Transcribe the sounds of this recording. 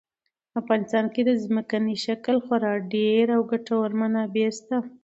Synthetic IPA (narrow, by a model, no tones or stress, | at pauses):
afɣɑnɪst̪ɑnked̪əzməkaniʃakəlxwaɾɑɖeɾawɡaʈawaɾmanabeɾst̪a